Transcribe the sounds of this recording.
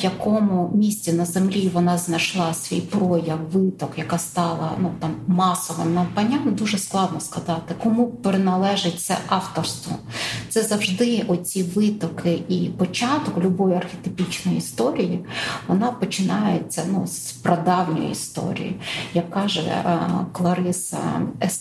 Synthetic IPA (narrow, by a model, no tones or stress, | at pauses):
jɐkɔmʊmʲisʲt͡sʲinɐzemlʲiʋɔnɑznɐjʃlˠɑsʲʋʲḭjpɾɔjɐwʋɪt̪ɔkjɐkɑst̪ɑlˠɐ̰nut̪ɑmːɑsɔʋɪmnɐpɐnʲamd̪uʒɛsklˠɑd̪nɔskɐzɑt̪ɪkɔmupɾenɐlˠɛʒet͡sʲːɐ̰ʔɑft̪ɔrst̪ʋɔ̰t̪sɛzɐwʒd̪ɪɔt͡sʲiʋɪt̪ɔkʰɪipɔt͡ʃɑt̪ɔklʲʊbɔjiɐrxʲet̪ɪpʲit͡ʃnɔjist̪ɔɾʲijiʋɔnɑpɔt͡ʃɪnɑjet͡sʲːɐnuspɾɐd̪ɑwnʲɔ̰jḭḭst̪ɔ̰ɾʲḭjḭjɐkːɑʒɛ̰klˠɐɾɪsɐ̰ɛ